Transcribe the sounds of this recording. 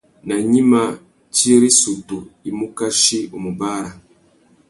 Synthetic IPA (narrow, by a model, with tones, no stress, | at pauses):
na˨ɲi˦ma˦ | t͡ʃi˦ɾi˦su˨tu˨i˨mu˦ka˦ʃi˦o˨mu˨ba˦ɾa˨